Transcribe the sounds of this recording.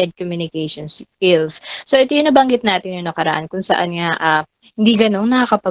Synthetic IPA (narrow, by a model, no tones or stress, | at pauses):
ɛd̪̚komjunɪkɛʃonskɪlssoʔɛt̪ojʊnɐbɐŋɡɪt̪̚naːt̪ɪnjʊnːɐkɐɾɐʔa̰nkʊŋsɐ̰ʔa̰nŋaʔa | hɪnd̪iɡɐno̞nnːɐkɐkɐpɐ